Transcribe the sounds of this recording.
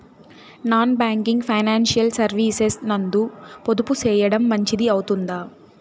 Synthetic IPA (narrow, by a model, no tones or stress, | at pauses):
naːnbaːŋkiŋɡpʰɐjnaːnʃijɐlsɐɾʋiːsesnɐnd̪upod̪uput͡ʃɛːjɐɽɐmːɐɲt͡ʃid̪iɐwut̪und̪aː